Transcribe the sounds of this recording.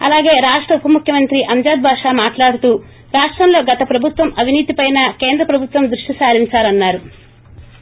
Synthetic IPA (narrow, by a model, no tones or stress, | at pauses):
ɐ̰laːɡe̞ːɾaːʂʈɾɐupɐmukʰjɐmɐnt̪ɾiʔɐɲd͡ʒaːd̪̚bʱaːʂaːmaːʈlaːɽut̪uː | ɾaːʂʈɾɐmlo̞ːɡɐt̪ɐpɾɐbʱut̪ʋɐmɐʋʱiniːt̪ipɐjnɐke̞ːnd̪ɾɐpɾɐbʱut̪ʋɐmd̪ɾuʂʈisaːɾiɲt͡ʃaːlɐnːaːɾu